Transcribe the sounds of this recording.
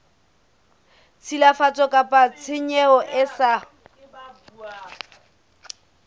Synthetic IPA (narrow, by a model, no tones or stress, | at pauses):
t͡sʰilafat͡sʼɔkʼapʼat͡sʰɪɲɛɔʔɪsa